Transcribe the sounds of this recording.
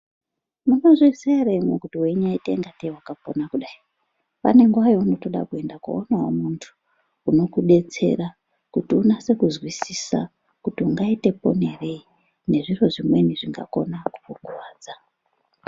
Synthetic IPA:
muɡoziisaaremokutiweɲaitḛŋɡatewakapo̞̰nakuɗai | pa̰ne̞ŋɡwajouno̞to̞ɗa̰kue̞ndakṵonawo̰muntʰu̥ː | no̞kuɗe̞t͡se̞̰ra | kutiunase̞kuzwisisa̰ | kutiuŋɡaite̞po̞̰ne̞re̞i | ne̞ʐiro̞ʐimwe̞niʐiŋɡa̰ko̞̰naku̥fokuwaːd͡za

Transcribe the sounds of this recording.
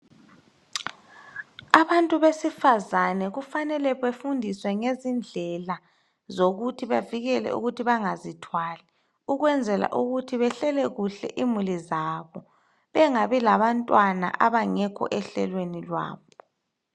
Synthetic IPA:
aβantʼuβesifazanɛɣufanɛlɛβefundʱiswɛŋezind͡ɮʱɛla | zoɣutʰiβaviɣɛlɛ̰ṵɣutʰiβaŋazitʰwaːlɛ | uɣwɛnd͡zʱɛla̰ʔuɣutʰiβɛɬɛlɛɣuɬɛ̰ʔimulizaβɔ | βɛŋaβilaβantʼwana̰ʔaβaŋɛkʰɔ̰ʔɛɬɛ̰lwenilwa̰ːβɔ

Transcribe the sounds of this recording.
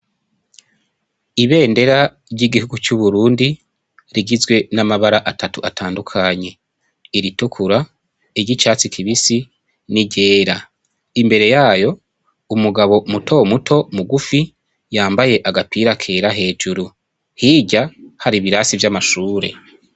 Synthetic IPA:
iβe̞ːnde̞ɾa | ɾɟiɡihuɡut͡ʃuβuɾuːndi | ɾiɡizɡwe̞namaβaɾaʔatʰatuʔatʰaːndukʰaɲe̞ | iɾitukʰuɾa | iɾɟit͡ʃaːt͡sikʰiβisi | niɟe̞ːɾa | imbe̞ɾe̞jaːjo̞ | umuɡaβo̞mutʰo̞mutʰo̞muɡufi | jaːmbaje̞ʔaɡapiːɾakʰe̞ːɾaɦe̞ːd͡ʒuɾu | hiːɟahaɾiβiɾasivjamaʃuːɾe̞̰

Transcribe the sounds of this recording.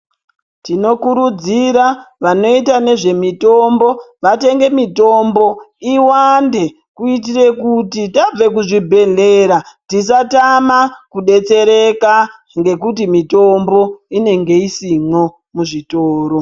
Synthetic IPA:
tino̞kuɾud͡ziɾaʋano̞itane̞ʐe̞mito̞mbo̞ʋate̞ŋɡe̞mito̞mbo̞iwande̞ | kuit̬ire̞kutitab͡ve̞kuʐibʱe̞ɮe̞ɾatis̬atamakuɗe̞t͡se̞ɾe̞ka | ŋɡe̞kutimito̞mbo̞ine̞ŋɡe̞isino̞ | muʐitoːɾo̞

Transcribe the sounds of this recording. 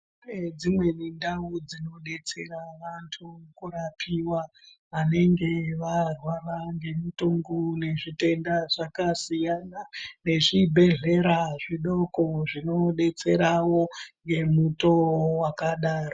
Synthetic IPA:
ned͡zimwe̞nindaud͡zino̞ɗe̞t͡se̞̰ɾaʋantʰukurapʰiwa | ane̞ŋɡe̞ʋarwaraŋɡe̞mutuŋɡune̞ʐite̞ndaʐakasijanane̞ʐibʱe̞ɮe̞ɾaʐiɗo̞ko̞ʐino̞ɗe̞t͡se̞ɾawo̞ŋɡe̞muto̞wakaɗaːro

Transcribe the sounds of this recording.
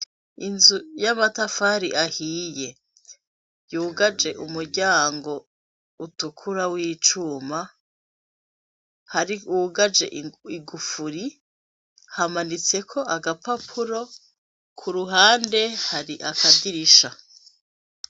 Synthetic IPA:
inzujamatafaɾiʔahiːje̞ | juːɡad͡ʒe̞ʔumuɾɟaːŋɡo̞ | utukʰuɾawiːt͡ʃuma | haɾiuɡad͡ʒe̞̰iɡufuɾi | hamanit͡se̞kʰo̞ʔaɡapapʰuɾo̞ | kʰuɾuɦaːnde̞haɾiʔakadiɾiʃa

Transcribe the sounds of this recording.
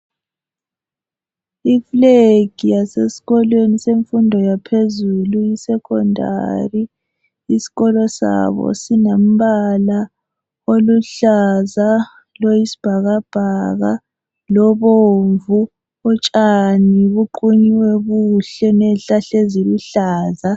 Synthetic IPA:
ifleɡ̥ʱijasesi̥ɣɔlweniseɱfundʱɔjapʰezulujisɛkʰɔ̰ndʱa̰riː | si̥ɣɔlɔsa̰βɔ̰sinam̩βala | oluɬaza | lojisi̥b̥ʱaɣab̥ʱaɣa̰ | lɔβoɱvu | ɔt͡ʃʼaniβuǃuɲiwɛɣuɬɛnɛɬaɬeziluɬaːza

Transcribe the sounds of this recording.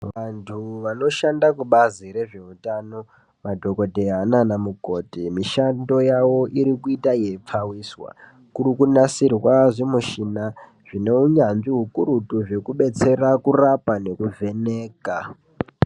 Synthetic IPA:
ʋantʰuʋano̞ʃandakuɓaziɾe̞ʐe̞utano̞ | madʱo̞ko̞dʱeananamuko̞timiʃando̞jawo̞ʔiɾikuitaje̞p͡fawiːswa̰ | kurikunasirwaʐimuʃina | ʐ̥ine̞uɲanʐiɦukuɾutuʐe̞kuɓe̞t͡se̞ɾakurapane̞kuvʱe̞ne̞ːka

